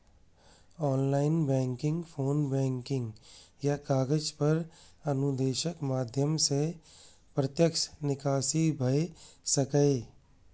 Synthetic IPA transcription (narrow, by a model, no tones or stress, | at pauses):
ɔːnlaːɪnbɛ̃ːŋkɪ̃ŋɡpʰoːnbɛ̃ːŋkɪ̃ŋɡjakaːɡəd͡ʒpɐɾɐnʊd̪eːʃəkmaːd̪ʱjəmse | pɾət̪jəkʃnɪkaːʃibʱɐesɐkəe